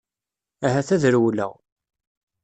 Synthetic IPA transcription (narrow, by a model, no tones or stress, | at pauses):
æɦæθæðəɾwlə̰ʁ